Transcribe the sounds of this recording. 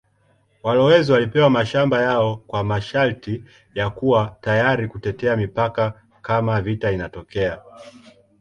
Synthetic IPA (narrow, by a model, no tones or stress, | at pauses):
walɔwɛziwalipɛwamaʃambajaɔkwamaʃalti | jakuwatajaɾikutɛtɛamipaka | kamavitainatɔkɛa